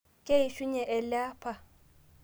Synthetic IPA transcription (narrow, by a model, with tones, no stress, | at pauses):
kʼe˦i˨ʃu˦ɲɛ˨ʔɛ˨laː˦pʰa˨